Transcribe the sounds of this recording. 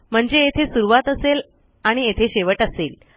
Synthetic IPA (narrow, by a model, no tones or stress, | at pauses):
m̤əɳd͡zeet̪ʰesuɾuʋat̪əsel | aɽ̃iet̪ʰeɕeʋəʈəsel